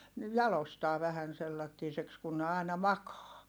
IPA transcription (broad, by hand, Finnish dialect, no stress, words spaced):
ni jɑlostɑː ʋæhæn selːɑtːiːseks kun ne ɑˑinɑ mɑkɑː